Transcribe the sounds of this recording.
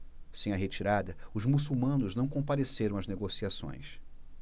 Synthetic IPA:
sẽj̃ɐɦet͡ʃiɾad̪ɐʊzmusuwmɐ̃nʊznɐ̃w̃kõpaɾeseɾɐ̃w̃ɐzneɡosiasõ̰j̃s

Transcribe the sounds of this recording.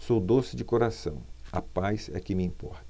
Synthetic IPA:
sowd̪osɪd͡ʒɪkoɾasɐ̰̃w̃ɐ̰pajzɛ̰kɪmɪĩpɔɾt̪ɐ

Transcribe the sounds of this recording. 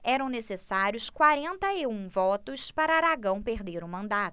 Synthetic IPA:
ɛɾɐ̃w̃nesesaɾjʊskwaɾẽnt̪ɐɪũvɔt̪ʊspaɾɐːɾaɡɐ̃w̃peɾd̪eɾʊmɐ̃nd̪at̪ʊ

